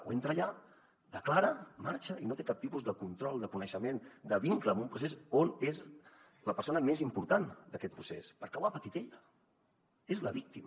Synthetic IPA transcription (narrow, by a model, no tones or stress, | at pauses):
ṵent̪ɾəːʎa | d̪əklaɾəmaɾt͡ʃəinot̪ekap̚t̪ipuzðəkunt̪ɾɔlˠd̪əkunəʃəmend̪əβiŋkləːmbumpɾusesonez | ləpəɾsonəmezimpuɾt̪and̪əkɛt̪̚pɾusḛspəɾkawapət̪it̪ɛʎə | ezləβik̚t̪im